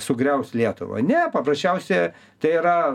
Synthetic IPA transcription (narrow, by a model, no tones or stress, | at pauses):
sʊɡrʲɛʊslʲiɛt̪ʊ̰ʋɐ̰nʲɛpɐprɐsʲt͡ʃʲɛʊsʲɛ | t̪ɐɪiɾɐ